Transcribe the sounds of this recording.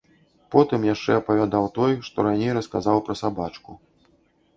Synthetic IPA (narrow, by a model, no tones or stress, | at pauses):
pɔt̪ɨmjaʂt͡ʂɛɐpɐvʲad̪awt̪ɔjʂt̪ɔɾanʲejɾɐskazawpɾɐsabat͡ʂku